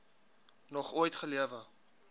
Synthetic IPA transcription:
nɔχuəjtχəliəvə

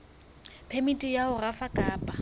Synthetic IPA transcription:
pʰemitʼijaʊrafakʼaːpʼa

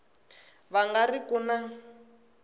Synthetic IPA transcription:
βaŋɡarikuna

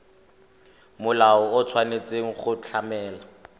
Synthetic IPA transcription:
mʊlaɔʊt͡sʰwanet͡seŋ̩χʊt͡ɬʰamɛːla

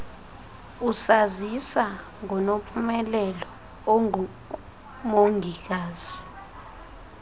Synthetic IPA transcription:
usazisa | ŋɔnopʰʼumɛlɛlɔ | moŋɡʱik̬aːz̥i

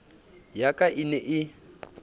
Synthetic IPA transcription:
jakʼaʔinɛʔɪ

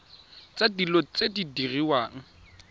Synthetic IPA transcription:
t͡sʼadilot͡sʼedidiriwaːŋ̩

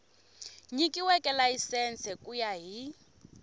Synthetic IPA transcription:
ɲikiwɛkʼɛlajisɛnt͡sʰɛkʼujaɦi

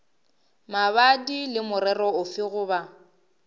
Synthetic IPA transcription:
maβadilɪmʊɾɛrɔʊfɪɣʊːba

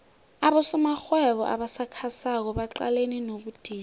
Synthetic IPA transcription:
aɓɔsɔmaxwɛβɔ̰ʔa̰ɓasakʰasak̬ɔɓaǃa̰leninoɓud̥ʱiː

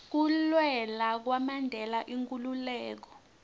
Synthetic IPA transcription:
k̬ulwɛlak̬wamandʱɛlaʔiŋkʼululɛːk̬ɔ

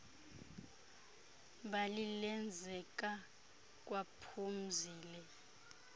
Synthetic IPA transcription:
ɓalilɛnd͡zʱɛk̬ʼa | k̬ʼwapʰum̩ziːlɛ

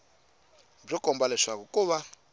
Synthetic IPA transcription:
b͡ʐɔkɔmbalɛʂakɔkuβa

